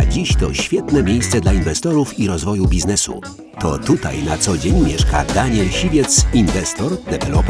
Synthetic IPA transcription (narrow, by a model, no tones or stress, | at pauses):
ad͡ʑiɕt̪ɔɕfʲjɛt̪nɛmʲjejst̪sɛd̪lainvɛst̪ɔɾufiɾɔzvɔjubʲiznɛsṵ | t̪ɔ̰t̪ut̪a̰jnat̪sɔd͡ʑeɲmʲjɛʂka̰d̪aɲɛlɕivʲjɛt̪sinvɛst̪ɔɾd̪ɛvɛlɔp